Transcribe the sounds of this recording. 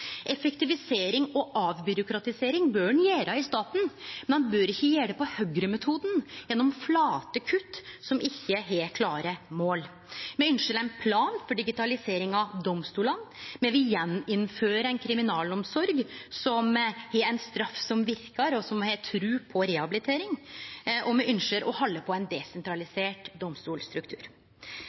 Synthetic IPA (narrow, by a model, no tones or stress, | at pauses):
ʔɛfɛkt̪ɪʋɪseːɾɪŋɔʔɑːʋbʏɾʊkɾɑt̪ɪseːɾɪŋbøːnjæːɾɑɪst̪ɑːt̪n̩mɛnbøːɾɪçːəjæːɽəpɔhœɡɾəmɛt̪ʰuːd̪njɛnːɔmflɑːt̪əkʰʉt̪ːsɔmʔɪçːəɦɛkʰlɑːɾəmoːl | mɛʏnʃəlæɪnpʰlɑːnfɔɖɪɡɪt̪ʰɑlɪseːɾɪŋɑd̪ɔmst̪uːlɑnmɛʋɪjɛnːɪnføːɾəɾæɪnkʰɾɪmɪnɑːlɔmsɔɾɡsɔmhɛænst̪ɾɑfsɔmʋɪɾkəɾɔsɔmhɛt̪ʰɾʉːpʰɔɾɛhɑbɪlɪt̪ʰeːɾɪŋʔɔmɛʔʏnʂəɾʔɔhɑlːəpʰɔæɪnd̪ɛsɛnt̪ʰɾɑlɪseːʈd̪ɔmst̪uːlst̪ɾʉkt̪ʰʉ̰ːɾ